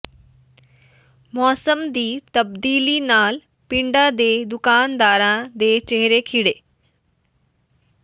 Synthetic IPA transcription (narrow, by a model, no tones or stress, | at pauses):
mɔːsəmd̪iːt̪ɐbd̪iːlinaːl | pɪ̃ɳɖad̪eːd̪ʊkaːnd̪aːɾãd̪eːt͡ʃeɦɾekʰiɽeː